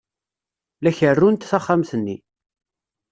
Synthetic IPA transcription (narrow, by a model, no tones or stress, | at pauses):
læçərːunt̪θæχːamθənːi